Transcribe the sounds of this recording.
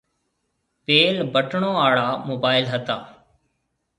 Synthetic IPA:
peːlbəʈɳõːaːɭaːmoːbaːɪlɦət̪aː

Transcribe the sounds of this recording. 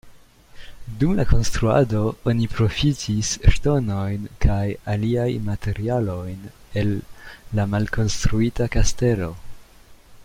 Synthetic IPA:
dumla̰ko̞nst̪ɾua̰do̞onipɾo̞fitʰisʃto̞no̞jnkʰajaliajmate̞ɾialo̞jn | e̞lːamalko̞nstɾuitakaste̞lo̞̰

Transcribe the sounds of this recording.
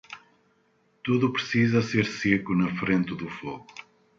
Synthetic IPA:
t̪uðupɾɨsizɐseɾsekunɐfɾẽnt̪ɨðufoɣu

